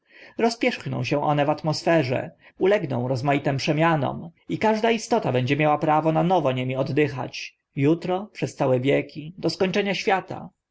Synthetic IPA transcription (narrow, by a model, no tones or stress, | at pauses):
ɾɔspʲjɛʂxnɔ̰̃w̃ɕɛw̃ʔɔnɛvat̪mɔsfɛʐɛ̰ | ulɛɡnɔ̰̃w̃ɾɔzmajit̪ɛmpʂɛmʲjanɔ̰mikaʐd̪aist̪ɔt̪abɛɲd͡ʑɛmʲjawapɾavɔnanɔvɔɲemʲiɔd̪ːɘxa̰t͡ɕ | jut̪ɾɔpʂɛst̪sawɛvʲjɛkʲid̪ɔskɔɲt͡ʂɛɲaɕfʲjat̪a̰